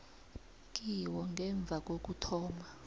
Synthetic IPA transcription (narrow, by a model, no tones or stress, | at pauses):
k̬ʼiwɔŋɡʱɛɱb̪vʱak̬ʼok̬utʰɔːma